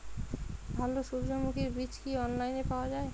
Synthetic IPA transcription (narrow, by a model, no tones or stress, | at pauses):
bʱaloʃuɾd͡ʑomukʰiɾbit͡ɕkiɔnlajnepaoad͡ʑae